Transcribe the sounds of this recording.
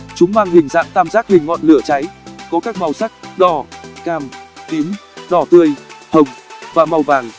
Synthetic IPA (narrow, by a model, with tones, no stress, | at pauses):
t͡ɕʊ˨˦ŋ͡mmaː˧ŋhï˨˩ŋ̟za̰ː˧˥ŋt̪aː˧mzaː˦˥k̚hï˨˩ŋ̟ŋɔ̰˧˨nlɨ˧˩ət͡ɕa˨˦jkɔ˨˦kaː˦˥k̚ma˨˩wsa˦˥k̚ɗɔ˧˩kaː˨˩mt̪i˨˦mɗɔ˧˩t̪ɨ˧əjhə˨˩wŋ͡mvaː˨˩ma˧wvaː˨˩ŋ